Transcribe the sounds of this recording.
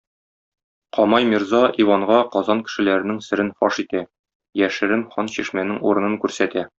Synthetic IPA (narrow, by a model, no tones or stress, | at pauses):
qɒmɑjmiɾzɑivɑɴʁɑqɒzɑnkɘ̥̆ʃɘ̆læɾɘ̆nɘŋsɘ̆ɾɘnfɒʃit̪æ | jæʃɘ̆ɾɘnχɒnɕiʃmænɘŋuɾɤ̆nɤŋkʉɾsæt̪æ